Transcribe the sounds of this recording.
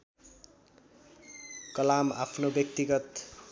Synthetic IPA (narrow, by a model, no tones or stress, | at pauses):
kʌlama̰pʰnobjʌk̚t̪iɡʌt̪